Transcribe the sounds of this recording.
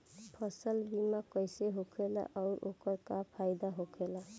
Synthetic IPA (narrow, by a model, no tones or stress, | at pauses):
pʰəsəlbimakəjseɦokʰela̰ʔɔʊɾo̰kəɾkapʰaɪd̪aɦokʰela